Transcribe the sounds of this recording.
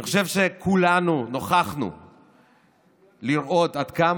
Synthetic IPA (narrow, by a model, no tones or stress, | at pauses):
niχoʃe̞vʃe̞kʰulanuno̞χaχnṵ | liɾʔo̞t̪ad̪kam